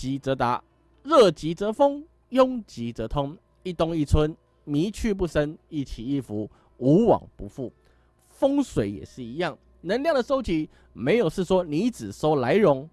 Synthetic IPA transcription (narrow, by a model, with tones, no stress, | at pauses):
t͡ɕi˧˥t͡sɤ˧˥t̪a̰˧˦ | ɻə˥˩t͡ɕi˧˥˦t͡sə˧˦fo˦ŋ | jʊ˥ŋt͡ɕi˧˥˦t͡sɤ˧˥t̪ʰʊ˥ŋ | i˥˧t̪ʊ˥ŋi˥˨t͡sʰwə˦˥n | mi˧˦t͡ɕʰy˥˧p̬u˥˩sə˦ni˥˩t͡ɕʰi˨˩i˥˩fu˧˦ | u˨˥wɑ̰˨˩ŋpu˧˦fu˥˩ | fɤ˥ŋswe˨˩ɪjɛ̰˨˩ʂɻ̩˥˩i˧˦jɑ˥˩ŋ | nə˧˦ŋljɑ˥˩ŋd̪ə˩ʂo˥ʊt͡ɕi˧˥ | me˧˥ɪjo˨˩ʊʂɻ̩˥˩swɔ˥ni˧˦t͡sɻ̩˨˩so˥ʊla˧˥ɪɻʊ˧˥ŋ